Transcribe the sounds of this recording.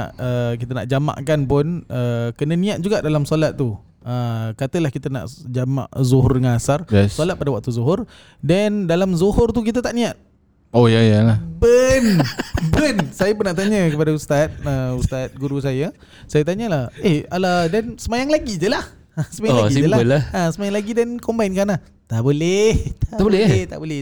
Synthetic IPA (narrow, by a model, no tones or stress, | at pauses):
a̰ʔəkit̪əna̰ʔd͡ʒama̰ʔkanpʊnəkənə̃nĩat̪̚d͡ʒuɡaʔdalamsolat̪ːu | əkat̪əlahkit̪ana̰ʔd͡ʒama̰ʔzuɦʊrdəŋanasarsolat̪̚padawak̚t̪uzoɦʊr | dandalamzohʊrt̪uk̬it̪̬ət̪aʔnĩat̪̚ | ojajalabənbənsajapənːaʔt̪aɲəkəpadaust̪at̪̚əust̪at̪̚ɡuɾus̬aja | sajat̪̬aɲəlahehaladansəmajaŋlaɡid͡ʒəlah | asəmajaaisid͡ʒəlaəlahasəmajaŋlaɡidankombainkana | t̪aʔboleht̪aʔabolɛht̪a̰ʔbolɛ